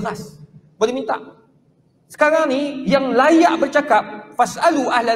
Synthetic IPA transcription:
lasbolɛmĩnt̪a̰ʔ | sə̥kaɾaŋnijaŋlajaʔbərt͡ʃakap̚fasʔaluʔahla

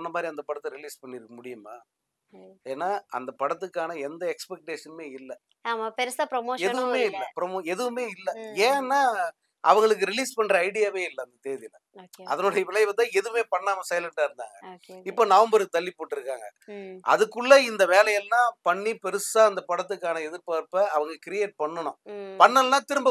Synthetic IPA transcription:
nːɐmaːd̪ɾiɐnd̪ɐpɐɽɐt̪ːɯɾɪliːspɐɳːɪɾɯkːɐmʊɽɪjɯma̰ː | eːnːaːɐ̰nd̪ɐpɐɽɐt̪ːɯkːaːnɐɛnd̪ɐɛkspɛk̚ʈeːʂɐnmeːɪlːɛ | aːmaːpɛɾɯsaːpɾomoːɛðɯʋɯmeːɪlːɐpɾomoːɛðɯʋɯmeːɪlːɛeːɛnːaː | ʔɐ̰ʋɐŋɡɐɭɯk̬ːɯɾɪliːspɐɳːɾɐɐɪɽɪjaːʋeːɪlːɐnd̪ɐt̪eːðɪlɐ | ɐ̰ðɐnoːɽɐjɐʋɪlɐjʋɐt̪ːãːɛðɯmeːpɐɳːaːmɐsɐɪlɐɳʈaːɪɾɯnd̪a̰ːŋɡɐːkɪpːoːnaːɯmbɐɾɯɯt̪ɐɭːɪpoːʈːɪɾɯkːa̰ːŋɡɐ̰ʔɐ̰ðɯkːɯɭːɐɪnd̪ɐʋeːlɐjɐlnãːpɐɳːipɛɾɯsaːɐnd̪ɐpɐɽɐt̪̬ːɯkːaːnɐɛðɯɾpaːɾpːɐɐʋɐŋɡɐkɪɾɪjeːʈ̚pɐɳːɐɳʊ̃pɐɳːɐlnãːt̪ɪɾɯmbɐ

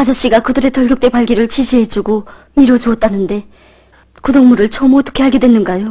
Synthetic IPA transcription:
kad͡ʑʌɕ͈iɡakɯdɯɾe̞tʌɭɡjʌk̚t͈e̞paɭɡiɾɯɭt͡ɕʰiɕʰiɦe̞d͡ʑuɡo | miɾot͡ɕuʌt̚t͈anɯnde̞ | kudoŋmuɾɯɭt͡ɕʰʌmot͈ɯ̥kʰeɦaɡe̞dwe̞nːɯnɡajo

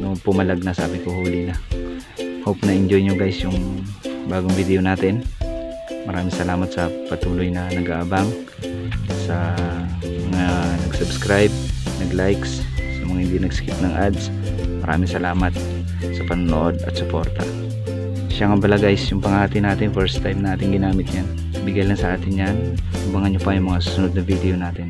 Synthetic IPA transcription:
nopʊmɐlaɡ̚nasɐʔa̰ːbɪkohuːlɪna | howpnɐʔɪɲd͡ʒojɲoɡajsjʊŋbaːɡoŋbid̪ɛʔonaːt̪ɪn | mɐɾaːmɪŋsɐlaːmɐt̪̚sɐpɐt̪uːlojnɐnɐɡaːʔabaŋ | sɐ | mɐŋanɐɡsʊbskɾajb̚nɐɡlajkssɐmɐŋahɪnd̪inɐɡsɪ̥kɪp̪̚nɐŋʔad̪s | mɐɾʔa̰ːmɪŋsɐlaːmɐt̪̚ | sɐpɐnonoʔod̪ɐ̰t̪̚sʊpo̞ɾt̪ɐ̰ | ʃaŋɐbɐlɐɡajsjʊŋpɐŋaːt̪ɪnaːt̪ɪnfɛɾst̪ajmnɐʔaːt̪ɪŋɡɪnaːmɪt̪̚jan | bɪɡajlɐnsɐʔaːt̪ɪnjan | ubaŋɐnɲopajʊŋmɐŋasusʊnod̪̚nɐvid̪ɛonaːt̪ɪn

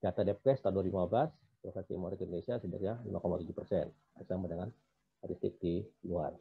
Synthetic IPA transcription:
d͡ʒat̪adɛp̚kɛst̪andurlimablas | tɾofasḭmoɾik̪indonesiasədə̰kɲalḭmʔakomat̪ud͡ʒupərsɛ̰n | asamənaŋan | aɾist̪ɪ̰k̚dilua̰r

